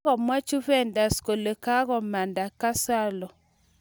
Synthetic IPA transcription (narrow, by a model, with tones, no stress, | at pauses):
ɣɔ˨mwa˦t͡ʃu˦vɛ˦˨nda˨sko˨lo˨ka˦ɣɔ˨ma˨nda˨ka˦sa˦lɔ˨